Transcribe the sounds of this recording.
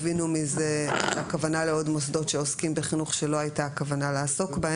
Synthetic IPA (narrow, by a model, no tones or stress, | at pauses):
vinumize̞akavanale̞o̞dmosdo̞tʃe̞oskimbeχinuχʃe̞lo̞ajtaːkavanalaaːso̞kbae